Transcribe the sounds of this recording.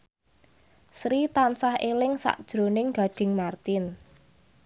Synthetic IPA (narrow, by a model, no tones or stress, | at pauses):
sɾit̪ansahʔelɪŋsa̰ʔd̥ʒ̥ɾonɪŋɡa̤ɖ̥ɪ̤ŋmart̪ɪn